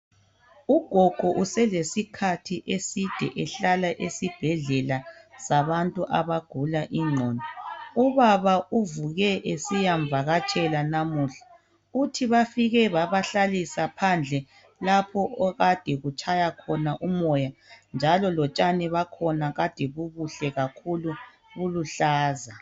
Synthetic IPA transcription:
uɡ̥ʱɔɡ̥ʱɔʔusɛlesikʰatʰiʔesid̥ʱɛ̰ʔɛɬalaʔesib̥ʱɛɮɛlasaβantʼuʔaβaɡ̥ʱulaʔiŋ͡ǀʱɔːndɔuβaβauvuɣɛʔesijaɱvʱaɣat͡ʃʰʼɛlanamuːɬḁ | utʰiβafiɣɛβaβaɬalisapʰand͡ɮʱɛ | lapʰɔɔɣad̥ʱɛɣut͡ʃʰʼajakʰɔnaʔumɔjand͡ʒʱalɔlɔt͡ʃʼanɛβakʰɔnaɣad̥ʱɛβuβuɬɛɣakʰulu | ɣuluɬaːza

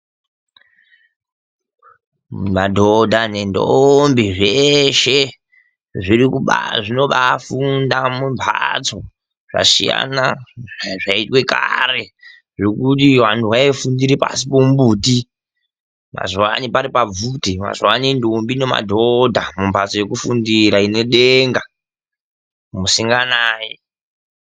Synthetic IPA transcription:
madʱodʱanendo̰mbiʐeʃe̞ | ʐirikuɓaʐino̞ɓafundamumpʰat͡so | ʐ̥a̰sḭja̰na | ʐaitwe̞kare̞ | ʐokutiwantuwaefundiɾipa̰sipombuːti | ma̰zwanipaɾipab͡vutima̰zwanindombinema̰dʱodʱamumbʱat͡so̞je̞kufundiɾaineɗeŋɡa | musiŋɡanaːje

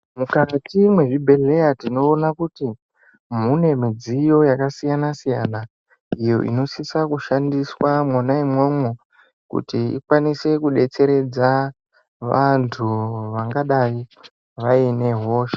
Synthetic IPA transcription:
mukatimwe̞ʐibʱe̞le̞jatino̞ːnakuti | mune̞mid͡zijo̞jakasijanasija̰na | ijo̞̰ʔḭno̞sisakuʃandiswamwanaimwomwe | kṵtiḭkwanise̞kuɗe̞t͡se̞ɾe̞d͡za | ʋantʰuʋaŋɡaɗaji | ʋaine̞ɦo̞ːʃḁ

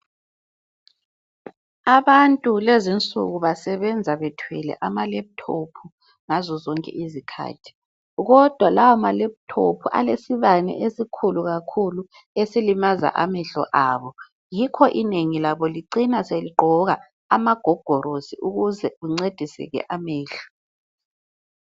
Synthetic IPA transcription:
aβantʼulezint͡sʼṵɣuβasɛβɛnd͡zʱaβɛtʰwɛlɛ̰ʔamalɛβutʰopʰu | ŋazɔzɔŋkʼɛ̰ʔizikʰa̰ːtʰi̥ | ɣɔd̥ʱwalawamaleputʰo̰pʰuʔa̰lesiβanɛ̰ʔesikʰuluɣakʰulu | esilimaza̰ʔa̰mɛɬɔ̰ʔaːβɔ | jikʰɔʔineŋilaβɔliǀinaseliɡ͡ǃʱɔɣa | amaɡ̥ʱɔɡ̥ʱɔɾosiʔuɣuzɛɣuŋ͡ǀed̥ʱisɛ̰ɣɛ̰ʔamɛːɬɔ̥

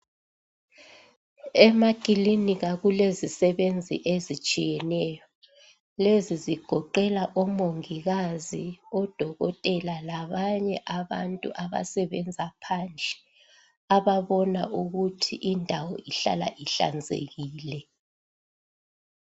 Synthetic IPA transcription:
ɛmakʼiliniɣaɣulezisɛβend͡zʱḭʔezit͡ʃʼijɛnɛjɔ | leziziɡ̥ʱɔǃɛlaʔɔmoŋiɣaziɔd̥ʱɔɣɔ̰tʼɛlalaβaɲɛʔaβa̰ntʼṵʔaβa̰sɛβɛnd͡zʱapʰand͡ɮʱɛ̥ | aβaβɔna̰ʔuɣutʰiʔindʱawɔiɬa̰la̰ʔiɬa̰nd͡zʱḛɣiːlɛ

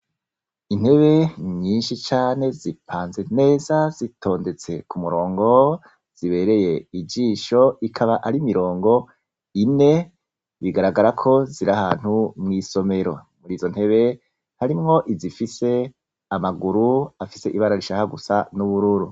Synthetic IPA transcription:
in̥he̞βe̞ɲiːnʃit͡ʃaːne̞zipʰaːnze̞ne̞ːzazitʰo̞ːnde̞t͡se̞kumuɾo̞ːŋɡo̞ | z̥iβe̞ɾe̞je̞id͡ʒiːʃo̞ikʰaβaʔaɾimiɾo̞ːŋɡo̞ | ine̞ | βiɡaɾaɡaɾakʰo̞ziɾahaːn̥humŋiːso̞me̞ɾo̞̰ | muɾiːzo̞n̥he̞βe̞ | haɾimŋo̞ʔizifise̞ | amaɡuɾuafise̞ʔiβaɾaɾiʃahaɡusanuβuɾuɾu

